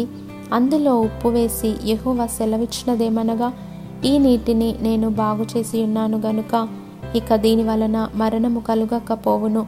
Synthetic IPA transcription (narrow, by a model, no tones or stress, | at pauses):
ɐnd̪ulo̞ːupːuʋe̞ːsijeɦɔːʋasɛlɐʋiʈʂnɐd̪eːmɐnɐɡaː | iːniːʈinine̞ːnubʱaːɡut͡ʃe̞ːsijunːaːnuɡɐnukɐ | ikɐd̪iːniʋɐlɐnɐmɐɾɐɳɐmukɐluɡɐkːɐpo̞ːʋunu